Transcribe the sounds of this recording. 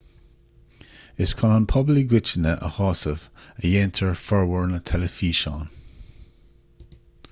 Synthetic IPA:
ɪskʰɔnanpʰɔbliɡwɪt͡ʃənəʔə̰hɔːsəvəjɛːntʰəɹfɔɹwɔɹnət̪ʰɛləfiːʃɑːn

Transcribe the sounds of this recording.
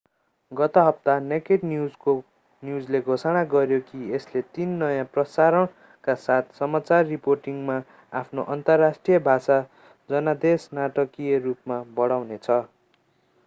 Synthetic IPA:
ɡʌt̪ʌɦʌp̚t̪anekeʈnjud͡zko | njud͡zleɡʱosaɽ̃aɡʌɾjokieslet̪inːʌjãprʌsaɾʌɳ | kasat̪̚ʰsʌmat͡sarːiporʈiŋma | apʰnoʔʌnt̪ʌrːasʈrijʌbʱasa | d͡zʌnad̪esnaʈʌkijʌrupmabʌɽawnet͡sʰʌ

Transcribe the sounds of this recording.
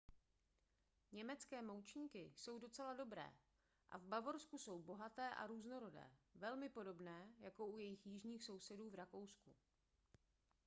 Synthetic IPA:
ɲɛmɛt͡skɛːmowt͡ʃɲiːkɪso̞wdo̞t͡sɛlado̞bɾɛ̰ː | ʔa̰vbavo̞ɾskuso̞wbo̞ɦat̪ɛːʔa̰ɾuːzno̞ɾo̞dɛ̰ːvɛlmɪpo̞do̞bnɛːjako̞ʔujɛjɪxjɪʒɲiːxso̞wsɛduːvɾako̞wsku

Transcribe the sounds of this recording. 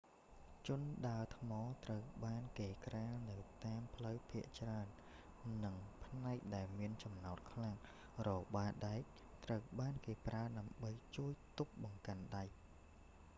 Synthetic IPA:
t͡ɕʊ̆ənɗaət̪ʰmɑːt̪rəwɓaːnkeːkraːnɨwt̪aːmpʰləwpʰiəʔt͡ɕraənː | ɨŋpʰnaɛk̚ɗaɛlmiənt͡ɕɑmnaɔt̪̚kʰlaŋ | rɔːɓaːɗaɛk̚ | t̪rəwɓaːnkeːpraəɗaəmɓəjt͡ɕuəjt̪uk̚ɓɑŋkanɗaɛ

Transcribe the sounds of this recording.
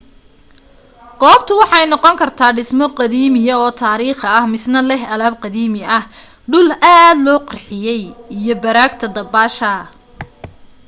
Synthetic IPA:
ɡ̥ɔːb̚t̪ʰʊwɑħɑɛjnɔqɔŋkʰɐrt̪ʰaːɖɪsmɔqɑðiːmɪjɐɔːt̪ʰaːɾiːχɐɐhmɪsnɐlɛhɐlaːb̚qɑðiːmɪɐh | ɖʊlaːd̪lɔːqɑrħɪjɛjijɞbɐɾaːɡt̪ʰɐd̪ɐbaːʃɐ

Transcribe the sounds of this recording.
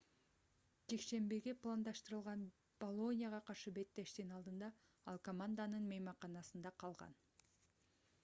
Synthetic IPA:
d͡ʒe̞kʃe̞mbiɡe̞plˠand̪ɑʃt̪ɯɾɯlˠʁɑn | b̥olˠo̞nʲijaʁɑqʰɑɾʃɯbe̞t̪ːe̞ʃt̪inɑlˠd̪ɯnd̪ɑ | ɑlˠkomand̪anɯnmejmɑqɑnɑsɯnd̪ɑqʰɑlˠʁɑ̰n

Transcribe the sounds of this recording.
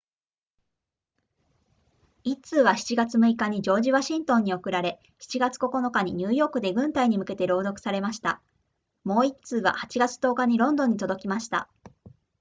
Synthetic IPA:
it͡sɨːβ̞açi̥t͡ɕiɡat͡sɨmɯ̟ikaɲ̟id͡ʑo̞ːʑiβaɕĩnt̪õ̞ɲ̟ːio̞kɯ̟ɾaɾe̞ | çi̥t͡ɕiɡat͡sɨ̥ko̞ko̞no̞kaɲ̟iɲ̟ɨ̟ːjo̞ːkɯ̟d̪e̞ɡɯ̟̃nt̪aiɲ̟imɯ̟ke̞t̪e̞ɾo̞ːd̪o̞kɯ̟̥saɾe̞maɕi̥t̪a̰ | mo̞ːit͡sɨːβa̰hat͡ɕiɡat͡sɨ̥t̪o̞ːkaɲ̟iɾõ̞nd̪õ̞ɲ̟ːit̪o̞d̪o̞kʲimaɕi̥t̪a̰

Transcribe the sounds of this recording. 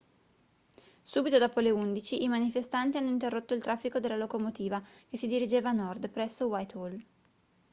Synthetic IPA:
suːbit̪od̪ɔːpoleund̪it͡ʃiʔimanifest̪ant̪ianːoint̪erːot̪ːoilt̪ɾafːikod̪elːalokomot̪iːvakesid̪iɾid͡ʒeːvanɔrd̪pɾɛsːowajt̪ol

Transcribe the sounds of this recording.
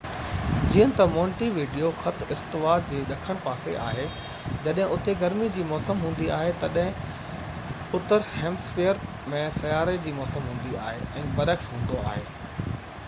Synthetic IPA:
d͡ʑiːə̃nɪ̆t̪ɐmɔ̃ːɳʈiʋiːɖijoxɐt̪ʰɪst̪ɪʋaːd̪̚d͡ʑeːɗɐkʰəɽ̃paːsḛʔa̰ːɦe | d͡ʑɐɗɦɪ̃ʊt̪eɡɐɾmid͡ʑiːmɔːsəmɦũːn̆d̪iaːɦet̪ɐɗɦɪ̃ | ʊt̪əɾhẽːmsfiəɾ | mẽsɐjaːɾed͡ʑiːmɔːsəmɦũːn̆d̪ia̰ːɦḛɛ̃ːbɐɾəksɦũːn̆d̪oa̰ːɦeː

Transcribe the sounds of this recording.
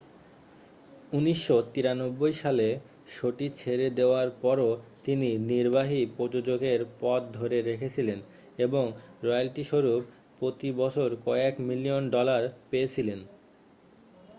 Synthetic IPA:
uniʃːot̪iɾanobːojʃale | ʃoʈit͡ɕʰeɾed̪eoaɾpɔɾot̪ininiɾbaɦipod͡ʑod͡ʑoɡeɾpɔt̪̚d̪ʱoɾeɾekʰet͡ɕʰilen | eboŋɾɔjalʈiʃoɾup | pːɾot̪ibɔt͡ɕʰoɾkɔekmilionɖɔlaɾpeet͡ɕʰilen

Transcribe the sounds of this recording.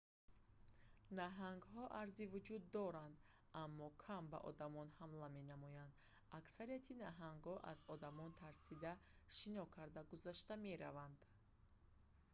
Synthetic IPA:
naɦaŋɡɦɔʔaɾzivud͡ʒud̪ːɔɾand̪ | amːɔkʰamba̰ʔɔ̰d̪amɔnhamlame̞namɔjand̪ | aksaɾiat̪ʰinaɦaŋɡhɔʔa̰zɔd̪amɔnt̪ʰaɾsid̪aʃinɔkʰaɾd̪aɡuzaʃt̪ame̞ɾavand̪̥

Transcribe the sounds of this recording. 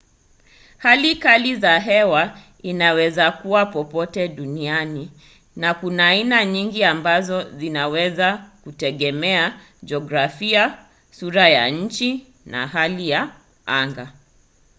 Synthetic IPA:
halikalizaɦɛwa | inawɛzakuwapɔpɔtɛɗuniani | nakunaːinaɲiŋɡiambazɔzinawɛzakutɛɠɛmɛa | d͡ʒɔɡɾafia | suɾaja̰ɲ̩t͡ʃi | na̰ɦalija | aŋɡa

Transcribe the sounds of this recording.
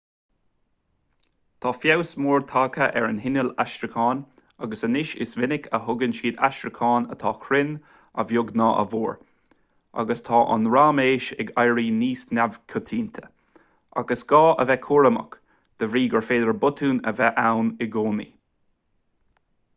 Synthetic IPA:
t̪ʰɑːfjawsmuːɹt̪ʰaːkʰəʔɛɹənɦɪnəlaʃtɾɪkʰɑːn | aɡəsənɪʃɪ̰svɪnɪkʰəɦʊɡənʃiːd̪a̰ʃɾəkʰɑːnə̰t̪ʰɑːkʰɾɪn | ə̰vjʊɡnɑːʔə̰vuːɹ | a̰ɡəst̪ʰɑːʔa̰nɹaːmeːʃɛɡajɹiːniːsnavkʰʊt̪ʰiːnt̪ʰə̥ | ʔa̰ɡəsɡ̥ɑːʔəvɛkʰuːɹəmə̰k | d̪̥əvɾiːɡəɹfeːd̪əɹbʊt̪ʰuːnəvɛʔawnɪɡoːnḭ

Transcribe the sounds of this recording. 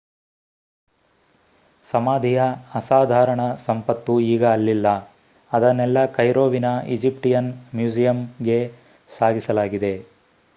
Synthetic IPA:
sɐmaːd̪ʱijɐɐsaːd̪ʱaːɾɐɳɐsɐmpɐt̪ːuiːɡɐːlːilːɐ | ɐd̪ɐnːɛlːɐkɐjɾoːʋinɐḭd͡ʒip̚ʈijɐnmjuːd͡ʒijɐmɡe̞ | saːɡisɐlaːɡid̪e̞

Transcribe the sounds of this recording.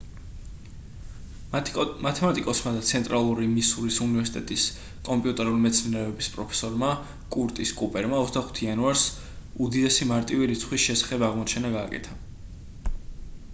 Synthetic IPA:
mat̪ʰɛmat̪ʼikʼɔsmad̪at̪sʰɛnt̪ʼɾalˠuɾimisuɾisunivɛɾsi̥t̪ʼɛt̪ʼis | kʼɔmpʼiut̪ʼɛɾulimɛt̪sʰninɛɔbispʼɾɔpʰɛ̥sɔɾma | kʼuɾt̪ʼiskʼupʼɛɾmaɔzd̪aχu̥t̪ʰianuaɾs | ud̪id̪ɛsimaɾt̪ʼiviɾit̪sʰχwisʃɛsḁχɛbaʁmɔt͡ʃʰɛnaɡaːkʼɛ̰t̪ʰa

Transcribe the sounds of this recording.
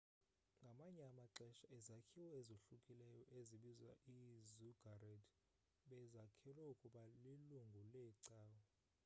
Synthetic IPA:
ŋɡʱamaɲɛamaǁɛʃaɛzakʰiwɔezoɬukʼilɛjɔʔeziɓizwa̰ʔizuɡ̥ʱarɛd | ɓɛzakʰɛlwɛukʼuɓaliluŋɡʱulɛǀaːwɔ

